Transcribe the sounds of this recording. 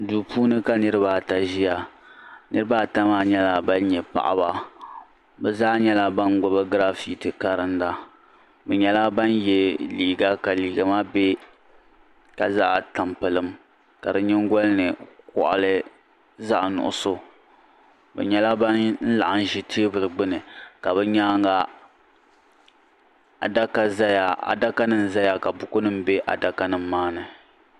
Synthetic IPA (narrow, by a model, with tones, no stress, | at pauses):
duː˨pʰuː˦nɨ˦ka˦nɨ˦ɾɨ˦baː˨ta˨ʒi˦ja˨ | nɨ˦ɾɨ˦baː˦ta˦maː˦˨ɲɛ˦la˨ba˦n˦ɲɛ˨pa̰˨ʔa̰˦ba˦ | bɛ˨zaː˦ɲɛ˦la˨ba˦nɡʊ˦bɨ˦ɡɾa˦fi˦tɨ˨ka˦ɾɨ˦nda˦ | bɛ˨ɲɛ˦la˦ba˦njɛ˦liː˨ɡa˦ka˨liː˨ɡa˨ma˦be˦ | ka˨za˦ʔta˨mpɨ˨lɨ˨m | ka˨dɨ˦ɲɪ˦ŋɡʷɔ˦lɨ˦nɨ˨kɔ̰˨ʔa̰˨lɨ˦ | za˦ʔnʊ̰˨ʔʊ̰˨so˦ | bɛ̰˨ɲɛ˦la˦ba˦nn̩˦la̰˨ʔa˨n̩˦ʒi˦tʰi˦bɨ˨lɨ˨ɡ͡bɨ˦nɨ˨ka˨bɛ˦ɲaː˦ŋɡa˦ | a̰˨da˦ka˦za˦ja˨a̰˨da˦ka˦nɨ˨mza˦ja˨ka˨bʊ˦kʊ˦nɨ˦m̩be˦ʔa̰˨da˦ka˦nɨ˦mːaː˦nɨ˨